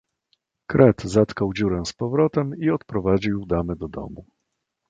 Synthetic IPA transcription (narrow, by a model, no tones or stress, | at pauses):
kɾʔɛt̪zat̪kawd͡ʑuɾɛ̃spɔvɾɔt̪ɛmiɔt̪pɾɔvad͡ʑiwd̪amɘd̪ɔd̪ɔ̰mu